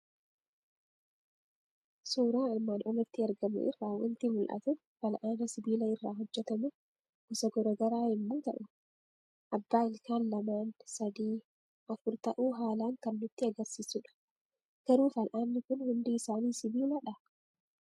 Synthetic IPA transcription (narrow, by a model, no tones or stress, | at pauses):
suːɾaːɐlmaːnʔɔmɪt̪ːɪɐɾɡɐmʊ̰ʔɪ̰rːaːwɐ̰nt̪imʊlʔɐ̰t̪ʊ | fɐlʔaːnɐsɪbiːlɐɪrːaːɦɔd͡ʒːɛt̪ɐmʊ | ɡʊsɐɡɔɾɐɡɐɾaːɪmːoːt̪ɐʔʊ | ʔɐbːaːɪlkaːnlɐmaːnsɐd̪iː | ʔɐfʊɾt̪ɐʔuːɦaːlaːŋkɐnːʊt̪ːɪɐɡɐɾsiːsʊᶑɐ̥ | ɡ̥ɐɾuːfɐlʔaːnːɪkʊnhʊnd̪iːɪsaːniːsɪbiːlɐᶑɐ